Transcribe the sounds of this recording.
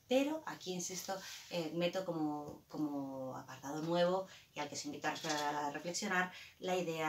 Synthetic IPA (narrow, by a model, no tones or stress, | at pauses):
pe̞ɾo̞ʔakiinsist̪o̞emet̪okomoko̞mooa̰paɾt̪að̞onwe̞β̞o̞ialke̞seimbit̪oarearʔefle̞ksjo̞naɾlaiðea